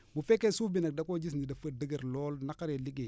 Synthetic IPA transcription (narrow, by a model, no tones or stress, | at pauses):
mufekesufbinak̚dakod͡ʒis̬nidafədəɡəɾloːlnakaɾeliɡe